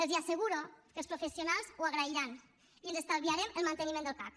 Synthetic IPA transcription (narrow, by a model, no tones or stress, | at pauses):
elziaseɣuɾokeəlˠspɾofesjonalˠzuaɣɾaiɾan | ielzest̪alβiaɾemelˠmant̪enimẽnd̪olk̪a̰k̪